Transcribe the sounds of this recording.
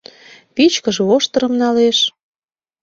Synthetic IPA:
pit͡ɕkə̆ʒeoʃt̪ə̆ɾə̆mnɑleʃ

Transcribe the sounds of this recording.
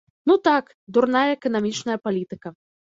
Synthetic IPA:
nut̪ak | d̪urnajɐːkɐnamʲit͡ʂnɐjɐpalʲit̪ɨkɐ

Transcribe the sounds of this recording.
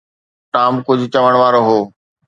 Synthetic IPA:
ʈaːmkʊd͡ʑʱʊt͡ɕɐʋəɽ̃ʋaːɾoɦoː

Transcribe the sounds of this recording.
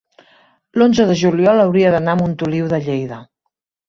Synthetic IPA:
lonzəðəʒuliɔləwɾiəðənaəmunt̪uliwðəʎejðə

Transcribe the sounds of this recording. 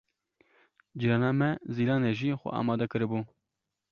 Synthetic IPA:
d͡ʒiɾɑːnɑːmɛziːlɑːneʒiːxʷɛ̰ʔɑ̰ːmɑːd̪ɛkɨɾɨbuː

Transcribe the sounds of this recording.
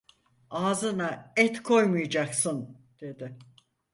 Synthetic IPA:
aːzɯnaɛt̪kʰo̞jmujd͡ʒaksɯn | d̪̥e̞d̪ɪ

